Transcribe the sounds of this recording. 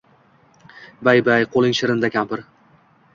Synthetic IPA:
bajbajqʰolˠɪŋʃɪɾɪnd̪akʲʰampɪɾ

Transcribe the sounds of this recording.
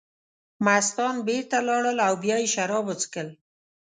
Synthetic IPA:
mast̪ɔnbeɾt̪alɑɽəlawbjɑiʃaɾɔbʊt͡skəl

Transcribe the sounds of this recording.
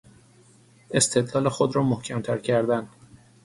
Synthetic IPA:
e̞st̪ʰe̞d̪lɒːlexod̪ɾɒːmohcʰæmt̪ʰæɾcʰæɾd̪æn

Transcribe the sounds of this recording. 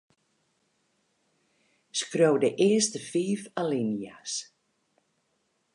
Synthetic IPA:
skrowdəʔɪəstəfiːfalinjas

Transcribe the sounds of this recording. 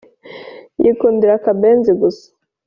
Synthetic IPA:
jikuːndiɾakabeːnziɡusḁ

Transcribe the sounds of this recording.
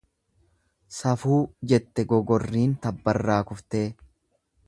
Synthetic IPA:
sɐfuːd͡ʒɛt̪ːɛɡɔɡɔrːiːnt̪ɐbːɐrːaːkʊft̪eː

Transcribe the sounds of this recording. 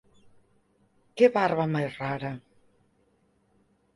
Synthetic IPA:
keβaɾβamajraɾa

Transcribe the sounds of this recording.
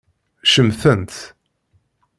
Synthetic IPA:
ʃəmθənt̪

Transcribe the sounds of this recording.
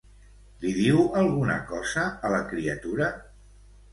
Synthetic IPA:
liðiwəlˠɣunə̰kɔzəːləkɾiət̪uɾə

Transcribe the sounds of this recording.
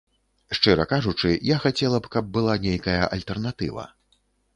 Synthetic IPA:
ʂt͡ʂɨɾɐkaʐut͡ʂɨjaxat͡sʲɛlˠɐpkɐb̚ːɨlˠanʲejkɐjɐʔɐlʲt̪ɛrn̪at̪ɨ̰vɐ̰

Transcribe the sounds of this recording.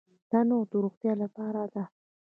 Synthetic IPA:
d̪̥anod̪əɾuxt̪jɑlapɑɾad̪a

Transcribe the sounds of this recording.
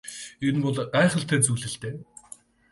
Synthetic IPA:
enpɔɮɢæːχə̆ɬt̪ʰeːrt͡sujɮɘ̆ɬt̪eː

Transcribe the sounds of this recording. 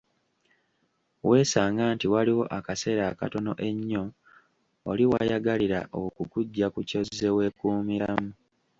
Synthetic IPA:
wʔe̞ːsaːŋɡaːntiwaliwo̞ʔakase̞ːɾaka̰to̞no̞̰ʔe̞ɲːo̞ː | liwa̰jaɡaliɾa̰ʔokukuɟːakuco̞zːe̞we̞ːkuːmiɾamu

